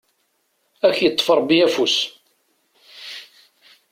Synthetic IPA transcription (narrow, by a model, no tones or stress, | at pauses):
æçjət̪ˤːfəɾˤbiæfus